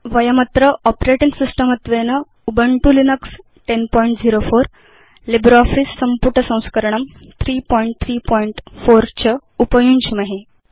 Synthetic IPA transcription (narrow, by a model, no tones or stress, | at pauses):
ʋəjəmɐt̪ɾəʔɔpɾeʈĩŋɡsisʈəmət̪ʋenə | ubəɳʈulinəks | ʈenpɔiɳʈd͡ziɾofoɾ | libɾɔfɾisːəmpuʈəsɐ̃w̃skəɾɳ̃əmt̪ʰɾiːpɔiɳʈ̚t̪ʰɾiːpɔiɳʈfoɾt͡ɕəupəjunt͡ɕimaɦe